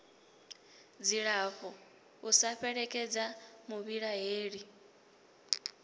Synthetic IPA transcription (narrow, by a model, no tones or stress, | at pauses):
d͡ziɺaɸɔ | usaɸɛɺɛkʼɛd͡zamuβiɺaɦeːɺi